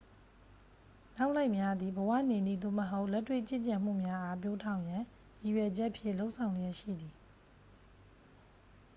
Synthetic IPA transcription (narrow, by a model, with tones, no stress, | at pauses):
na˦ʊʔla˦ɪʔmja˦d̪i˨bəwa̰˦˨ne˨nḭ˦˨d̪o̰˦˨məɦo˦ʊʔlɛ˦tːwḛ˦˨t͡ɕɪ̰̃˦˨t͡ɕã˨m̥ṵ˦˨mja˦ʔa˦p̬jo˦tʰã˨ʊ̃jã˨ | ji˨ɥɛ˨d͡ʑɛ˦ʔəpʰjɪ̰̃˦˨lo˦ʊʔsʰã˨ʊ̃d͡ʑɛ˦ʔʃḭ˦˨d̪i˨